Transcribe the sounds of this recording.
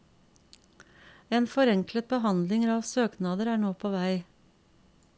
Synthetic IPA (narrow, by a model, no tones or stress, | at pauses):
eːnfɔɾɛŋklət̪̚bəhɑnd̪lɪŋɾɑːʋsøːknɑːd̪əɾæːɳoːpʰoːʋæɪ